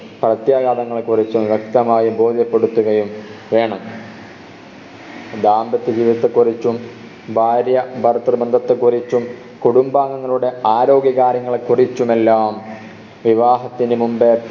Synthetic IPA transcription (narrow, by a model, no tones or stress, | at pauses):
prɐt̪jaːɣaːd̪ɐŋːɐɭekurit͡ɕːumʋek̚t̪ɐmaːjibo̞ːd̪ʱjɐpːe̞ɽut̪ːuɣɐjumʋe̞ːɳɐm | d̪aːmbɐt̪ːed͡ʑiːʋiðɐt̪ːekurit͡ɕːum | bʱaːɾjɐbʱɐrt̪ːrɨbɐnd̪ʱɐt̪ːekurit͡ɕːum | kuɽumbaːŋːɐŋːɐɭuɽe̞aːɾo̞ːɡjɐɣaːɾjɐŋːɐɭekurit͡ɕːume̞lːaːm | ʋiʋaːɦɐt̪ːinɨmumbe